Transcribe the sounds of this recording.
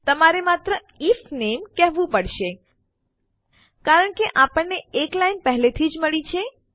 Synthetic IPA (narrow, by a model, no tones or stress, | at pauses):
t̪əmaɾemat̪ɾə | ifnemkɛɦʋũpəɽʃe | kaɾəɳkeʔapəɳneeklajnpəɦlet̪ʰid͡ʒməɭit͡ʃʰe